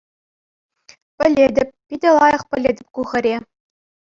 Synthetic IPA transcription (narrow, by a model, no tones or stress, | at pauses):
pʲɘ̆lʲedʲɘ̆pʲpʲidʲɘ̆lˠɑjɤ̆χpʲɘ̆lʲedʲɘ̆pʲkuʁɤ̆ɾʲe